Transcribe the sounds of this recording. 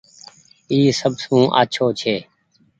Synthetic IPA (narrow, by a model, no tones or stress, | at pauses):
iːsəbsũːʔa̰ːt͡ʃʰoːt͡ʃʰeː